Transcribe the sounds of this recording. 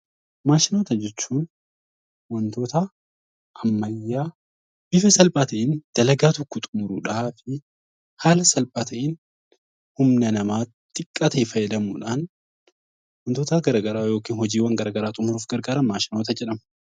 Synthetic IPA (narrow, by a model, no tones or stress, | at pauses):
maːʃɪno̞ːt̪ɐd͡ʒɛt͡ʃːuːn | wɐnt̪o̞ːt̪ɐ | ʔɐmːɐjːaː | bɪfɐsɐlpʼaːt̪ɐʔɪːnd̪̥ɐlɐɡaːt̪ɔkːʊt̪ʼʊmʊɾṵːᶑaːfɪ | haːlɐsɐlpʼaːt̪ʰɐʔiːn | hʊmnɐnɐmaː | t̪ʼɪkʼːat̪eːfɐjːɛd̪ɐmuːᶑaːn | wɐnt̪oːt̪ɐɡɐɾaːɡɐɾaːjo̞ːkiːnhɔd͡ʒiːwɐŋɡɐɾaːɡɐɾaːt̪ʼʊmʊɾuːfɡɐɾɡaːɾɐnmaːʃɪno̞ːt̪ɐd͡ʒɛᶑɐmɐ̥